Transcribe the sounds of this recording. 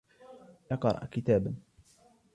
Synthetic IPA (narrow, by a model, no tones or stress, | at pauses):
jɑqɑɾˤɑ̰ʔkɪt̪aːbn